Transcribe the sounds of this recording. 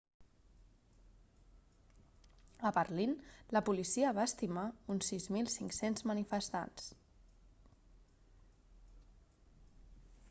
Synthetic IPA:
əpəɾlinləpulisiəβaəst̪imaunsizmilˠsiŋksenzmənifəst̪a̰ns

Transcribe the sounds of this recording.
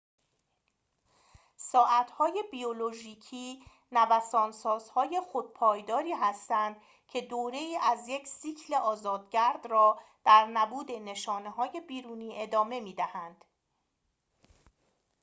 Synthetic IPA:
sɒːʔæt̪ʰhɒːje̞biolo̞ʒiːcʰiː | nævæsɒːnsɒːz̥hɒːje̞xo̞d̪̚pʰɒːjd̪ɒːɾiːɦæst̪ænd̪ | cʰe̞d̪oːɾe̞iːʔæzje̞cʰsiːcʰle̞ʔɒːzɒːd̪ɟæɾd̪rɒːd̪̥æɾnæbuːd̪e̞ne̞ʃɒːne̞ɦɒːje̞biːɾuːniːʔe̞d̪ɒːme̞miːd̪æhænd̪̥

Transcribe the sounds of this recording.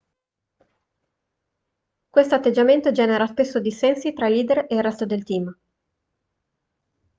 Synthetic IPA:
kwest̪oat̪ːed͡ʒament̪od͡ʒɛːneɾaspesːod̪isɛnsit̪ɾailiːd̪ereilrːɛst̪od̪elt̪iːm

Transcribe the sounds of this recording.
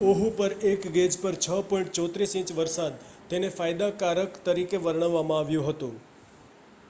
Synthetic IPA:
oɦupəɾekɡed͡ʒpəɾt͡ʃʰəpɔ̃iɳʈ̚t͡ʃɔt̪ɾisĩt͡ʃʋəɾsad̪̚t̪enefajd̪akaɾəkt̪əɾikeʋəɾɳ̃əʋːamãaʋjũɦət̪ũ

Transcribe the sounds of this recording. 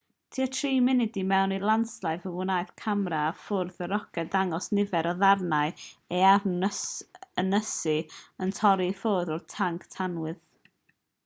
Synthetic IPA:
tʰiːətʰriːmɨnɪdimɛwnilˠanslˠaɨvəwʊnajθkʰamɾaːfʊrðəɾɔkʰɛdaŋɔsnɪvɛɾɔðarnaɨɛarəsənəsɨəntʰɔɾifoːðɔrtʰaŋkʰtʰanwɨð

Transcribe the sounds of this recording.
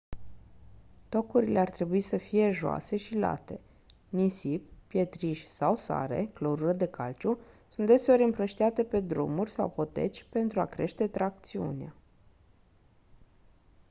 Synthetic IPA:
t̪o̞kuɾile̞art̪ɾe̞buisəfije̞ʒoa̰se̞ʃila̰t̪e̞ | nisip̚ːje̞t̪ɾiʃʲsawsa̰ɾe̞̰kloɾuɾəd̪e̞kalt͡ʃʲusunt̪d̪e̞se̞o̞ɾʲɨmpɾəʃt̪iat̪e̞pe̞d̪ɾṵmurʲsawpo̞t̪e̞̰t͡ʃʲpe̞nt̪ɾuakɾe̞̰ʃt̪e̞t̪ɾak̚t̪siṵnea

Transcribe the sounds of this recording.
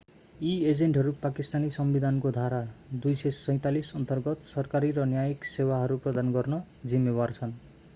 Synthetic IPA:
ied͡zeɳʈɦʌɾupakist̪anisʌmbid̪ʱankod̪ʱaɾad̪ujsesʌj̃t̪alisʌnt̪ʌrɡʌt̪sʌrkaɾiɾʌnjajiksewaɦʌɾuprʌd̪anɡʌrnʌ | d͡zimːebart͡sʰʌn

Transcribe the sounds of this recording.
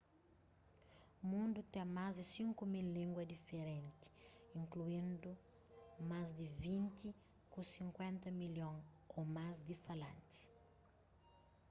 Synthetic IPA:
umũnd̪ut̪ɛ̃mazd̪isĩŋkumilːĩŋɡwɐd̪ifeɾẽnt̪i̥ĩŋkluĩnd̪u | mazd̪ivĩnt̪i | kũsĩŋkwẽnt̪ɐmiljõŋ | omazd̪ifalɐ̃nt̪i̥s

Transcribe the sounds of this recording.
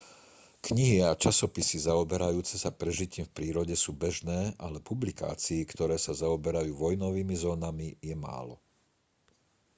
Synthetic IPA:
kɲiɦiat͡ʃasɔpisizaɔbɛɾajuːt͡sɛsapɾɛʒiciːmfpɾiːɾɔɟɛsuːbɛʒnɛːʔalɛpublika̰ːt͡siːkt̪ɔɾɛːsazaɔbɛɾajuːʋɔjnɔʋiːmizɔːnamijɛma̰ːlɔ

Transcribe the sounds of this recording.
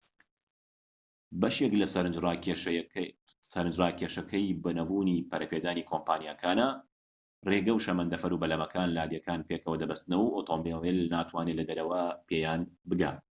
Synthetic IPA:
bɐʃeklɐsɐɾ | sɐɾɨnd͡ʒraːkʰeːʃɐkʰɐjbɐnɐbuːniːpɐɾɐpeːd̪aːniːkʰoːmpaːnjakʰaːna | reːɡɐwʃɐmɐnd̪ɐfɐɾuːbɐlɐmɐkʰaːnlaːd̪jɐkaːnpekʰɐwɐd̪ɐbɐst̪ɨnɐwɐwʔot̪ʰombewelnaːt̪ʰwaːnelɐd̪ɐɾɐwɐpeːjaːnbɨɡa̰ː

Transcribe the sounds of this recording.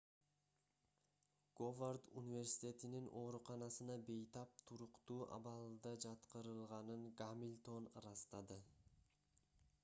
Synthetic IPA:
ɡ̥ovard̪unʲivʲe̞rsi̥t̪ʲe̞t̪ininʔo̞ːɾuqɑnɑsɯnɑbe̞jt̪ɑp̚t̪ʰuɾuqt̪uːʔɑ̰βɑlˠd̪ɑd͡ʒɑt̪qɯɾɯlˠʁɑnɯŋɡamʲilʲt̪o̞nrɑst̪ɑd̪ɯ

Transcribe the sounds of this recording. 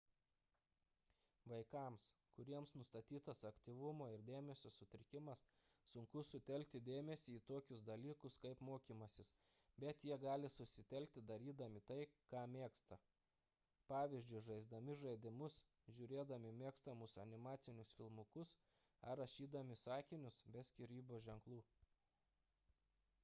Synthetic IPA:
ʋɐɪkɑˑmskʊɾʲiɛmsnʊst̪ɐt̪ʲiːt̪ɐsɐkt̪ʲiːʋʊmoːɪɾd̪ʲeːmʲɛsʲoːsʊt̪ʲɾʲɪkʲɪmɐsː | ʊŋkʊsʊt̪ʲɛlʲk̚ʲt̪ʲɪd̪ʲeːmʲɛsʲiːt̪oːkʲʊsd̪ɐlʲiːkʊskɐɪpmoːkʲiːmɐsʲɪs | bʲɛt̪jiɛɡɑːlʲɪsʊsʲɪt̪ʲɛlʲk̚t̪ʲɪd̪ɐɾʲiːd̪ɐmʲɪt̪ɐɪkɑːmʲeːkst̪ɐ | pɑːʋʲiːzʲd͡ʒʲʊɪʒɐɪzd̪ɐmʲɪʒɐɪd̪ʲɪmʊs | ʒʲʊɾʲeːd̪ɐmʲɪmʲeːkst̪ɐmʊsɐnʲɪmɑːt̪sʲɪnʲʊsfʲɪlˠmʊkʊs | ɐɾɐʃʲiːd̪ɐmʲɪsɑːkʲɪnʲʊsbʲɛsʲkʲiɾʲiːboːʒʲɛŋklˠuː

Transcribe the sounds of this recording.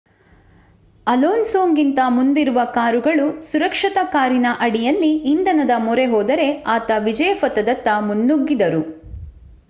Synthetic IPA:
ɐloːnsoːŋɡint̪ɐmund̪iɾuʋɐkaːɾuɡɐɭusuɾɐkʂɐt̪ɐkaːɾinɐʔɐɽijɐlːiind̪ɐnɐd̪ɐmɔɾe̞ɦɔːd̪ɐɾe̞aːt̪ɐʋid͡ʒɐjɐfɐt̪ɐd̪ɐt̪ːɐmunːuɡːid̪ɐɾu

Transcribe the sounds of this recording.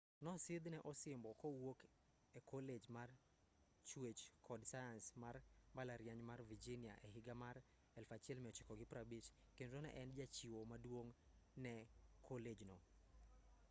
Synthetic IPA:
nɔsɪd̪nɛʔɔsɪmbɔkɔwok | ɛkʰoled͡ʒmar | t͡ʃwet͡ʃkʰɔdsajansmarmbalaɾjaɲmarvid͡ʒinia̰ʔɛɦɪɡamaɾ | ɛlfat͡ʃɪɛlmɛɔt͡ʃɪkɔɡɪpɾabit͡ʃ | kendɾonɛ̰ʔɛnd͡ʒat͡ʃiwomadwoŋnɛkʰoled͡ʒnɔ

